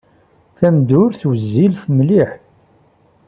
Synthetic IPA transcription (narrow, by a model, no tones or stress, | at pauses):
θæmd̪ʊɾθwəzːilθəmliħ